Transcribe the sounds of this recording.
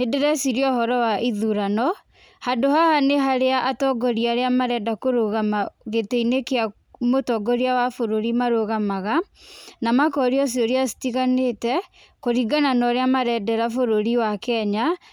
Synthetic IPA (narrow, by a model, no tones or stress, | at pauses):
nedɛɾɛsiɾiɔhɔɾɔwaʔiðuɾanɔ | handohahaneɦaɾeaʔːtɔɡɔɾiaɾeamaɾɛdakoɾoɣamaɣeteinekea | motɔɡɔɾiawafoɾoɾimaɾoɣamaɣanamakɔɾiɔs̬ioɾiasi̥tiɣanetɛ | koɾiɡananɔɾeamaɾɛdɛɾafoɾoɾiwakɛɲa